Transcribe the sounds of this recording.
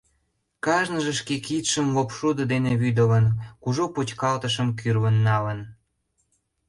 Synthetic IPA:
kɑʒnəʒə̆ʃkekit̪ʃəmlopʃud̪əd̪eneβyd̪ələnkuʒopot͡ɕkɑlt̪əʃ̬əmkyrβənːɑlən

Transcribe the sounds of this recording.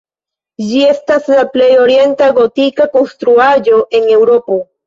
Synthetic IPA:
d͡ʒie̞staslaple̞jo̞ɾje̞ntaɡo̞tikako̞nst̪ɾuad͡ʒo̞ʔe̞ŋe̞wɾo̞po̞

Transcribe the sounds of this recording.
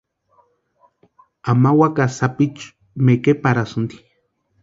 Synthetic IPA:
amawakasapit͡ʃ | mekepaɾasund̪i̥

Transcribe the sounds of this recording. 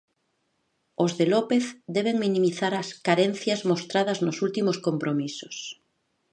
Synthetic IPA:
ozðelopeθd̪eβ̞eŋmĩnĩmiθaɾaskaɾen̟θjazmost̪ɾað̞ɐznosult̪imoskompɾomisos

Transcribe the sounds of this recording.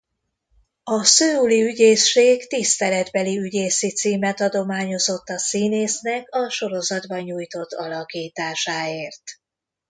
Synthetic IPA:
ɒsøːuliyɟeːsːeːɡt̪ist̪ɛlɛd̪bɛliyɟeːsit̪siːmɛt̪ɒd̪o̞maːɲo̞zo̞t̪ːɒsiːneːsnɛkɒʃo̞ɾo̞zɒd̪bɒɲuːjt̪o̞t̪ːɒlɒkiːt̪aːʃaːeːrt̪

